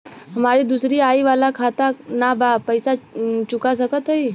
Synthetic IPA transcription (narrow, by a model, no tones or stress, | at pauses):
ɦɐmaːɾid̪usɾiaːiʋaːlakʰaːt̪anabapəɪsat͡ʃʊkas̬əkət̪ɦəi